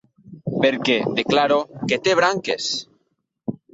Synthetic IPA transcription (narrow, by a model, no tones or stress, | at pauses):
peɾked̪eklaɾoket̪eβɾaŋkes